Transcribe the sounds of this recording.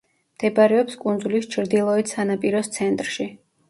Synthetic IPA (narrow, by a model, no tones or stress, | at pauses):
md̪̥ɛbaɾɛɔpskʼund̪zulist͡ʃʰɾd̪ilˠɔisanapʼiɾɔst̪sʰɛnt̪ʼɾʃi